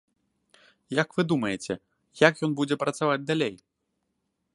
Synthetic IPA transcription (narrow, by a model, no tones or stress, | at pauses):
jakvɨd̪umɐjɛt͡sʲɛ | jakjɔnbud͡zʲɛpɾɐt̪savad͡zʲd̪alʲej